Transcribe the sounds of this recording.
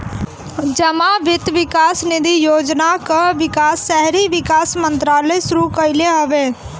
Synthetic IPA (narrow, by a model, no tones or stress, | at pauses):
d͡ʒəmãʋɪt̪ʋɪkaːsnɪd̪ijoːd͡ʒnakəʋɪkaːsːɛɦɾiʋɪkaːsmə̃nt̪ɾaːlesʊɾukəɪleɦoʋeː